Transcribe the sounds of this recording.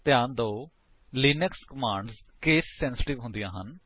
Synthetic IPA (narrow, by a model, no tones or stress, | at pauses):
t̪ɪãːnd̪oː | liːnəkskəmãːɳɖzkeːsːɛ̃ːnsɪ̥ʈɪʋɦʊ̃nd̪ijãːɦən